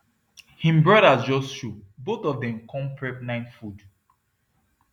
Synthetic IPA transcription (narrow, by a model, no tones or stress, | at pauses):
hĩmbɹɔɾazd͡ʒɔsʃubotɔvdɛ̃mkʰɔ̃mpʰɹɛp̚nãɪ̃nfud